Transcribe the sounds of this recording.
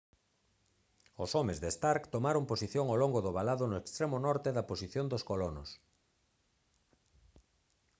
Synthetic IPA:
osomezðest̪aɾkt̪omaɾomposiθjoŋawloŋɡʊðʊβalaðʊnʊekst̪ɾemʊnɔɾt̪eðɐposiθjond̪oskolono̰s

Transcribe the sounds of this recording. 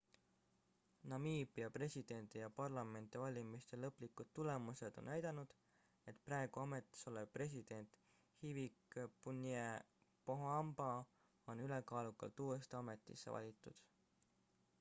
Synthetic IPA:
nɑmiːbˑiɑpre̞sʲid̪̥e̞nd̪ijɑpɑrlɑme̞nt̪ivɑlʲimist̪elɤpːlikːˑud̪̥̚t̪ːule̞muse̞d̪̥o̞̰nːæjd̪ɑnud̪̥ | e̞t̪ˑpræeɡ̥uɑme̞t̪ːˑi̥so̞lepre̞s̬ʲid̪̥e̞nt̪ | hivikpunie | poɦɑmbɑ | o̞nyle̞kɑːlukːˑɑ̰lt̪uːe̞st̪eɑme̞t̪ːˑḭsːḛvɑ̰lʲit̪ːˑṵd̪̥

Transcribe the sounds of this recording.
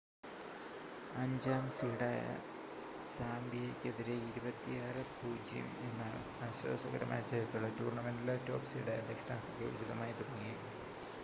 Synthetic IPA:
ɐɲd͡ʑaːmsiɽaːjɐ̰ | saːmbjeɐkʲːeðiɾeiɾubɐt̪ːijaːrɨbʱuːd͡ʑijɐ̰minːɐɭ̰ | ɐɕwɐ̰ːsɐɣɐɾɐma̰ːjɐt͡ɕɐjɐt̪ːuɭːɐtuːrɳɐmendileto̞ːpsiɽaːjɐd̪ʱekʂʈa̰ːkɐkːɐ̰ʋṵd͡ʑiðɐmaːjɐt̪uɽɐŋːijkuu

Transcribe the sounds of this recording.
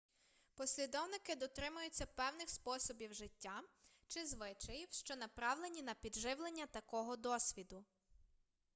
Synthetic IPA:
pɔsʲlʲid̪ɔwnɪkɪd̪ɔt̪ɾɪmʊjʊt͡sʲːɐpɛwnɪxspɔsɔbʲiwʒɪtʲːa | t͡ʃɪzʋɪt͡ʃɐjiwʃt͡ʃɔnɐpɾɑwlˠenʲinɐpʲid̪ʒɪwlˠenʲːɐt̪ɐkɔɦɔd̪ɔsʲʋʲid̪ʊ

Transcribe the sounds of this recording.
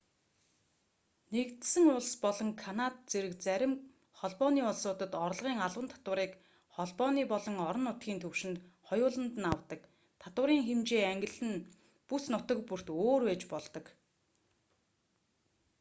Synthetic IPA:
nekt̪sɘ̆ŋʊɮspɔɮɞ̆ŋkʰanat̪̚t͡seɾɘ̆kt͡sæɾʲɪ̆m | χɔɮpɔːniːʊɮsʊːt̪ə̆t̪ɔr̆ɮʁiːŋaɮwə̆nt̪ʰḁt̪wə̆ɾiːk | χɔɮpɔːniːpɔɮɞ̆ŋɔɾɞ̆nːʊt̪ɡʲiːnt̪ʰɵwʃɪ̆nt̪χɔjʊːɮə̆nt̪̆nawt̪ə̆k | t̪ʰat̪wə̆ɾiːŋxemt͡ɕeːæŋɡʲɪ̆ɮɘ̆n | pusnʊt̪ə̆k̚pur̥t̪oːrwæːt͡ɕpɔɮt̪ɞ̆k

